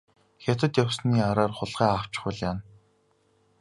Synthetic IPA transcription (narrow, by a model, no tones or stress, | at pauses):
xʲat̪ə̆t̪jawsniːaɾaːrχʊɮʁæːaw̥t͡ɕɪ̆χʊɮjaːn